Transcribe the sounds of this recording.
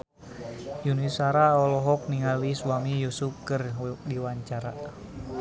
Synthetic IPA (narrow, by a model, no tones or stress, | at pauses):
junisaɾaɔlɔɦɔk̚niŋaliswamijusup̚kərdiwaɲt͡ʃaɾa